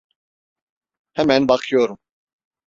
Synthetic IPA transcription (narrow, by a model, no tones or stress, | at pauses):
hɛmɛnbakʰjoːɾum